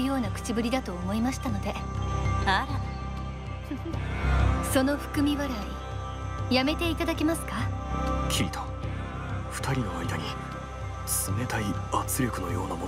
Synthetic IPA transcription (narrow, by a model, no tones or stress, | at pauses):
jo̞ːnakɯ̟̥t͡ɕibɯ̟ɾʲid̪at̪o̞ːmo̞imaɕi̥t̪ano̞d̪e̞ | aɾa | so̞no̞ɸɯ̟̥kɯ̟mʲiβaɾai | jame̞t̪e̞it̪ad̪akʲimasɨ̥kakʲʰiːt̪ʰo | ɸɯ̟̥t̪aɾʲino̞aid̪aɲ̟i | t͡sɨme̞t̪aiat͡sɨɾʲo̞kɯ̟no̞jo̞̰ːnamo